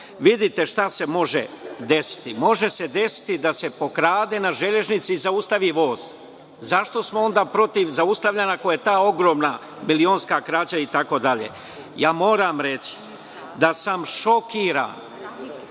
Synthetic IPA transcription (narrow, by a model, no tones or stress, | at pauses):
ʋid̪it̪e̞ʃt̪ase̞mo̞ʒḛd̪e̞si̥t̪imo̞ʒe̞se̞d̪e̞si̥t̪id̪ase̞po̞kɾaːd̪e̞naʒeʎe̞ʒnit̪siːzaust̪aʋiʋo̞ːz̥ | zaʃt̪o̞smoo̞nd̪aːpɾo̞t̪iʋzaust̪aʋʎanakojet̪aːo̞ɡɾo̞ːmna | milio̞ːnskakɾaːt͡ɕait̪ako̞d̪aʎḛ | jaːmo̞ːɾamɾe̞t͡ɕi̥ | d̪asamʃo̞kiːɾa̰n